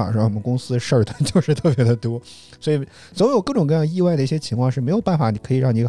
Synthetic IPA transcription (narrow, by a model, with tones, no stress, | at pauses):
ʈ͡ʂə˥˩ə˩kʊ˥ŋsɹ̩˥ʂə˥˩d̪ə˩t͡ɕjo˥˧ʊʂɻ̩˥˧t̪ʰɤ˥˩p̬jɛ˧˥d̪ə˧t̪wɔ˥ | swɔ˧˥i˨˩ | t͡sso˧˥e˧˥jkɤ˥˩ʈ͡ʂʊ˨˩ŋkɤ˥˧jɑ˥˧ŋi˥˧wa˥˩ɪd̪ə˩i˥˩jɛ˥t͡ɕʰi˧˥ŋkʰwɑ˥˧ŋʂɻ̩˥˩me˧˥ɪjo˨˩ʊpa˥˩nfa˨˩ni˨˩kʰɤ˧˥i˨˩ɻɑ˥˩ŋni˧˥ɡ